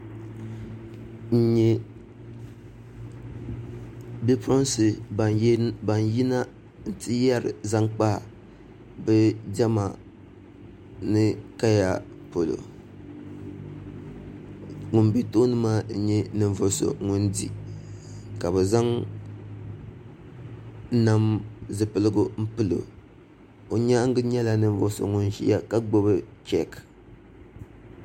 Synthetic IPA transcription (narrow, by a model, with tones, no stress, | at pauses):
n̩˦ɲɛ˦ | bi˦pɔ˦n˦sɨ˨ | ba˨nji˦na˦ | n̩˨tɨ˦ja˦ɾɨ̰˨za˦ŋk͡pa˦˨ | bɛ˦d͡ʒa˦ma˨ | nɨ˦ka˦ja˨ | po˨lo̰˨ | ŋʊ˨nbi˨to˦nɨ˦maː˦ɲɛ˦nɨ˨ɱ˦vo˨so̰˨ŋʊ˦ndḭ˨ | ka˨bɛ˨za˦ŋ˦ | na˦mzɨ˨pɨ˨lɨ˦ɡʊ˦m̩˦pɨ˦lo̰˨ | o˨ɲa˦ŋ̩˦ɡɨ˦ɲɛ˦la˦nɨ˨ɱ˦vʊ˨so̰˨ŋʊ˦nʃḭ˦ja˦ka˦ɡ͡bo˦bɨ˦t͡ʃɛ̰˨k